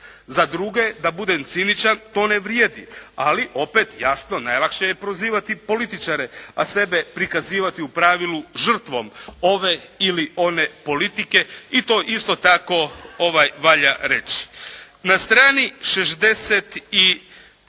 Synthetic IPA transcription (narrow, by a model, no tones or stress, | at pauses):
zad̪ɾuɡe̞d̪abud̪emt̪sinit͡ɕant̪o̞ːne̞ʋɾjeːd̪ialiʔo̞pe̞t̪jasno̞najlˠakʃejepɾo̞ziːʋat̪ipo̞lit̪it͡ʃaɾease̞be̞pɾikaziːʋat̪iupɾaʋilˠuʒr̩t̪ʋo̞mo̞ʋeiliʔo̞ne̞po̞lit̪ike̞it̪o̞ːʔist̪o̞t̪ako̞o̞ʋajʋaʎaɾe̞t͡ɕi̥ | nast̪ɾaːniʃeʃd̪e̞set̪i